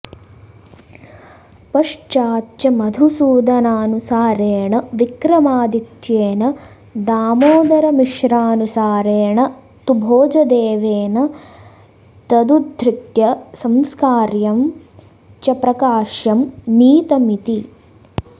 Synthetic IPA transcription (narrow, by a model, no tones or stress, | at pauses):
pɐʂt͡ʃaːtːt͡ʃɐmɐd̪ʱusuːd̪ɐnaːnusaːɾeːɳɐʋikɾɐmaːd̪it̪jeːnɐ | d̪aːmoːd̪ɐɾɐmiʃɾaːnusaːɾeːɳɐ | t̪ubʱoːd͡ʒɐd̪eːʋeːnɐ | t̪ɐd̪ud̪ʱɾik̪jɐsɐmskaːɾjɐm | t͡ʃɐpɾɐkaːʃjɐmniːt̪ɐmit̪i